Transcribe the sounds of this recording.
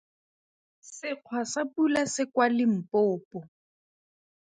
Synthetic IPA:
sɪq͡χʰwasapulasɪkwalɪm̩pɔːpɔ

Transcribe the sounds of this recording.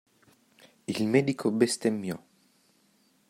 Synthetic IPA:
ilmɛd̪ikʰobest̪emːjɔ̰

